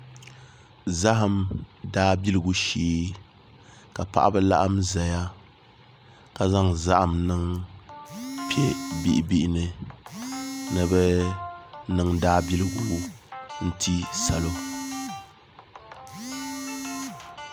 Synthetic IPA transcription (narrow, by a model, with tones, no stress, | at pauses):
za˦ɦa˨mdaː˦bi˦lɨ˨ɡu˦ʃiː˦ | ka˨pa̰˨ʔa̰˦bɛ˦la̰˦ʔa˦mza˨ja˦ | ka˨za˦ŋza˦ʔa˨mnɨ˦ŋ | pi˦ɛ˦bi˦ʔbi˦ʔɪ˦nɨ˨ | nɨ˨bɛ˦ | nɨ˨ŋdaː˦bi˦lɨ˨ɡu˨˦n̩˦tʰi˦sa˨lo˦